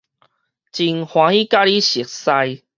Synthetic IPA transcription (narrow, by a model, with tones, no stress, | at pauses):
t͡ɕi˧˩ŋhwã˨˧˦i˦ka˦li˦ɕi˨ək̚sa˧j